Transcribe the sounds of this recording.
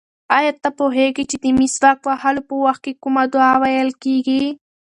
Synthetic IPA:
ajat̪ːapoɦeɡit͡ʃed̪əmisbak̚wahalopəwaxt̪̚kekumad̪ʊɑwajəlkeɡi

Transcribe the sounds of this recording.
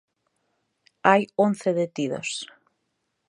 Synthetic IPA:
ajõn̟θeðet̪iðo̰s

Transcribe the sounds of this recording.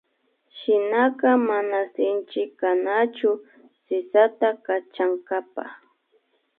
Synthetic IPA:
ʃɪnakamanasɪnt͡ʃɪkanat͡ʃʊ | sɪsat̪akat͡ʃaŋkapa̰

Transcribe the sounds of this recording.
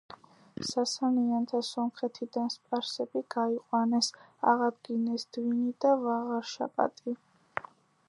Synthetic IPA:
sasaniant̪ʰasɔmχɛt̪ʰid̪anspʼaɾsɛbiɡ̥aiqʼwanɛsa̰ʁad̪ɡinɛsd̪̥vinid̪avaʁaɾʃa̰pʼa̰t̪ʼi

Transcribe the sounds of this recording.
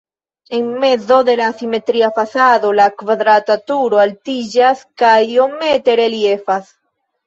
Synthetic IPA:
e̞ŋme̞d͡zo̞d̪e̞lasime̞tɾiafasad̪o̞lakvad̪ɾatatuɾo̞altid͡ʒaskajo̞me̞te̞ɾe̞lie̞fas

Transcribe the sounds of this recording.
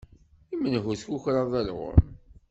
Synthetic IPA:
imənɦuθçuçɾˤɑðˤælʁo̰m

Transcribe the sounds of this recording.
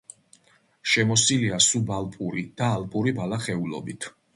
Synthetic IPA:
ʃɛmɔsiliasubalˠpʼuɾid̪̥aːlpʼuɾibalaχɛulˠɔ̰bit̪ʰ

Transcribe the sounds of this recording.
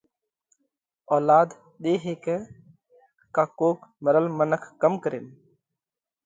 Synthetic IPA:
ɔːlaːd̪ | ɗ̪eːɦeːkɛ | kaːkoːkməɾəlmənəkʰːəmkəɾḛːn

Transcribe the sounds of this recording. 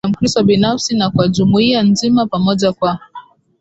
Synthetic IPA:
am̩kɾistɔɓinafsinakwaʄumuianzimapamɔʄakwa

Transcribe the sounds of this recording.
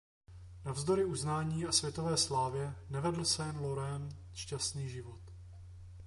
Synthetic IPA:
navzd̪o̞ɾɪʔuznaːɲiːasvjɛt̪ovɛːslaːvjɛnɛvɛdl̩sɛjɛnloɾɛn | ʃcast̪niːʒɪvo̞t̪

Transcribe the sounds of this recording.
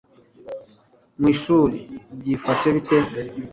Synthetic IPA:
mwisuliɟifaseβite

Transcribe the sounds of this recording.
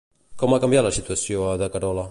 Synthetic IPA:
kɔmakɐmbjat̪ləsit̪uəsjoðəkəɾɔla

